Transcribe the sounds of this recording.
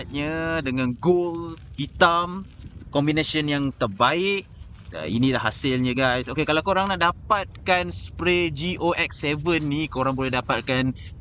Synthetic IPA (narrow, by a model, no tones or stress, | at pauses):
t̪̚ɲadəŋãnɡolhit̪am | kɔmbinasənjaŋt̪ərbaɪʔ̚ | ə̰ḭnĩlahɦa̰sɪlɲə̃ɡajsokekalawkoɾaŋnaʔ̚dapat̪̚kansə̥pɾed͡ʒiʔoʔɛksɛvənːikoɾaŋbolɛhdapat̪̚kan